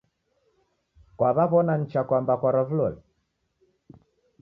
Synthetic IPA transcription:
kwaβaβɔnan̩t͡ʃakwambakwaɾɔvulɔli

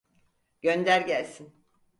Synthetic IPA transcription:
ɟ̥ønd̪æɾɟælʲsin

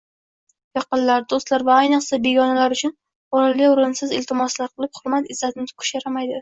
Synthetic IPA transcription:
jɑqɨnlaɾd̪ost̪laɾvaːjnɨqsabe̞ɡɒnalaɾʊt͡ʃʰʊn | ɒɾalijʊɾɪnsɪzɪlt̪ʰɪmɒslaɾqʰɨlˠɪphʊɾmat̪ɪzːat̪ʰɪnɪt̪ɪ̥kʰʊ̥ʃaɾamajd̪ɪ

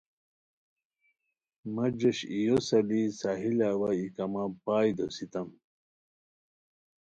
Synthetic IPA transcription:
mɐd͡ʑɐɕijosɐlisaːɦilaːwɐikɐmapaːjd̪osit̪ɐm

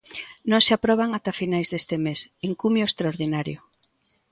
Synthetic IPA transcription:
nõŋseapɾɔβ̞aŋat̪afinajzðest̪emesiŋkumjoest̪ɾaoɾðinaɾjʊ

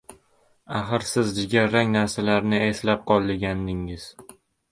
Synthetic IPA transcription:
aχɨɾsɪzd͡ʒɪɡʲaɾːaŋnaɾsalaɾnɪe̞slap̚qʰɒlˠːɪɡʲand̪ɪŋɪz̥

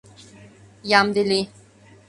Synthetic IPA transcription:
jamd̪ili

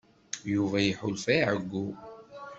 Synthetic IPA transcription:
juvæjħʊlfæʕəɡʷːu

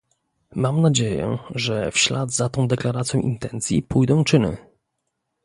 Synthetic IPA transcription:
mamnad͡ʑejɛ̰ʐɛfɕlad̪zat̪ɔ̃w̃d̪ɛklaɾat̪sʲjɔ̃w̃ʔint̪ɛnt̪sʲjḭpujd̪ɔ̃w̃t͡ʂɘnɘ̰

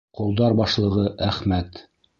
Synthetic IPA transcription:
qŏlˠd̪ɑɾbɑʃlˠɤ̆ʁɤʔæχmæt̪

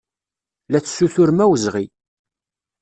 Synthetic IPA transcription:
læt͡sːsːuθʊɾmæwəzʁi

